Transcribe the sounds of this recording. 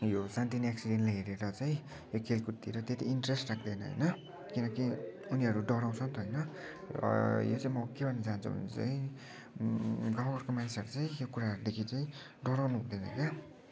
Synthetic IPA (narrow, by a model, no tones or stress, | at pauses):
josant̪iniaksiɖenʈlajɦeɾeɾʌt͡saĩ | jokʰelkut̪iɾʌt̪et̪iːnʈresʈrak̚d̪ʌjnʌɦʌ̰jnʌ | kinʌkiuniɦʌɾuɖʌɾaw̃t͡sʰʌnt̪ʰʌjnʌ̰ | jo̰t͡saĩmʌkebʱʌnːʌd͡zant͡sʰṵbʱʌ̰nḛt͡sa̰ĩ | ɡãw̃ɡʌrkomanisʌɾut͡saĩjokuɾaɦʌɾud̪ekʰit͡saĩ | ɖʌɾawnuɦũd̪ʌnʌ̰kja